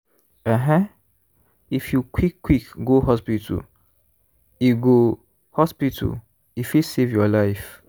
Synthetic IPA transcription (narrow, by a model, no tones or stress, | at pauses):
ɛɦɛ̃ | ifjukʰwikːwikɡoɦɔspitʰṵl | iɡo | hɔspitʰṵl | ifisevjɔlaɪf